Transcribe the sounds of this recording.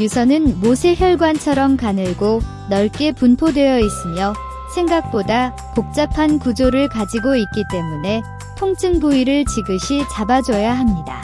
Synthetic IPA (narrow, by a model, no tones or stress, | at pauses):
jusʰʌnɯnmosʰeçjʌɭɡwant͡ɕʰʌɾʌmkanɯɭɡo | nʌɭk͈e̞punpʰodwe̞jʌis͈ɯmjʌ | sʰe̞ŋɡak̚p͈oda | pok̚t͡ɕ͈apʰankud͡ʑoɾɯɭkad͡ʑiɡoit̚k͈it͈e̞mune̞ | tʰoŋt͡ɕʰɯŋbuiɾɯɭt͡ɕiɡɯɕʰit͡ɕabad͡ʑʌjaɦamɲida̰